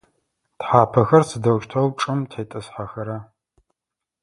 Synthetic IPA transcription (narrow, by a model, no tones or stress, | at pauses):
tħaːpʰɐxɐrsɨdɐwʃtʰɐwʈ͡ʂʼɨmtʰeːtʼɐsħaxɐɾɐ